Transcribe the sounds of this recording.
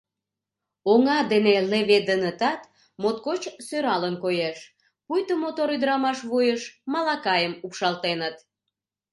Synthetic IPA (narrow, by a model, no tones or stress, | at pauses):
oŋɑd̪eneleβed̪ənət̪ɑt̪ | mot̪̚kot͡ɕsøɾɑlənkojeʃ | pujt̪omot̪oɾyd̪əɾɑmɑʃβujəʃmɑlɑkɑjəmupʃɑlt̪enət̪